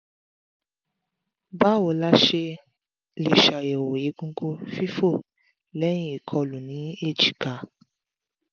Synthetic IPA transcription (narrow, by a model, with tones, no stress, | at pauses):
ba˦wo˨la˦ʃe˧ | le˨ʃa˨je˨wo˨je˨˦ɡũ˧˦ɡo˧fi˦fo˦˨ | lɛ˦j̃ĩ˦i˨kʰɔ˧lu˨nĩ˨˦e˦˨d͡ʒi˨ka˨